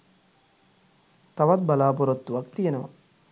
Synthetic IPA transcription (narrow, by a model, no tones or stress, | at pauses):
t̪ɐʋɐt̪̚bɐlaːpuɾot̪ːuʋɐk̚t̪ijenɐʋɐ̰